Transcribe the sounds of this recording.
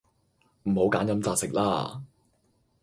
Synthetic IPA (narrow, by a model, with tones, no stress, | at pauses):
m̩˨˩ho˨˥wkaː˨˥njɐ˨˧mt͡saː˧t̚sɪ˨k̚laː˥